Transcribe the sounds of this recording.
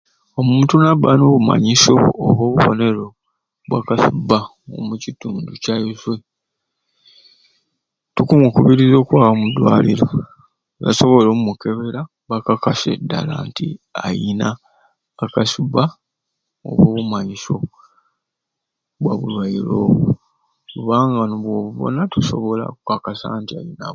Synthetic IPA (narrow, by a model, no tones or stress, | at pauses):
o̞muːntunaβano̞ːβuma̰ɲiso̞̰ːβo̞ːβuβo̞̰ne̞ɾo̞ | βwakasuba | omucituːnducajuzwe | tukumukuβiɾizo̞ːkwaːβamudwaːliɾo | ɡa̰so̞βo̞loːmumuke̞βe̞ɾa | βakakase̞̰dːa̰la̰ːntiajinaː | kasuba | o̰βwoːβumaɲiso̞ | βwaβulwajilo | kuβaːŋɡanoβwo̞ːβuβo̞̰natuso̞̰βo̞la̰kakasa̰ːntiajina̰